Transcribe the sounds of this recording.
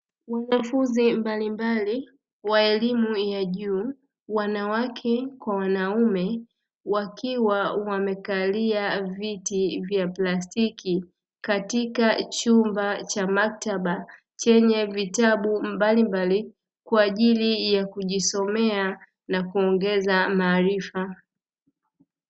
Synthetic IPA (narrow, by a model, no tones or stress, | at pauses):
wanafunzimbalimbali | waɛlimujaʄuː | wanawakʰɛkwawanaumɛ | wakiwawamɛkaliavitivjaplastiki | katikat͡ʃumbat͡ʃamak̚taɓa | t͡ʃɛɲɛvitaɓumbalimbali | kwaːʄilijakuʄisɔmɛa | nakuɔŋɡɛzamaːɾifa